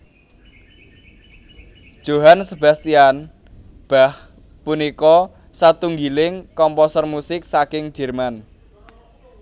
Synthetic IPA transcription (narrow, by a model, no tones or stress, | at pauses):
d̥ʒ̥o̤ɦansəba̤st̪ian | b̥a̤h | punikɔ | sat̪uŋɡilɪŋkɔmpɔsərmusɪk̚sakɪŋd͡ʒ̥ɛ̤rman